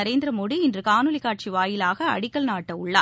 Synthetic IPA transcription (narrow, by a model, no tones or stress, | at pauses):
ɐɾeːnd̪ɪɾɐmoɽiɪndrɯkaːnɯlɪkːaːʈ̚t͡ʃiʋaːjɪlaːɣɐɐ̰ɽɪkːɐɭnaːʈːɐʊɭːa̰ː